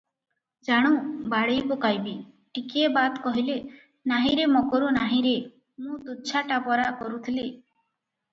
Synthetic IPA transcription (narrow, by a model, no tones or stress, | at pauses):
d͡ʒaɽ̃ubaɽejpukajbi | ʈikiebat̪kɔɦile | naɦĩɾemɔkɔɾunaɦĩɾe | mũt̪ut͡ʃʰaʈapɔɾakɔɾut̪ʰili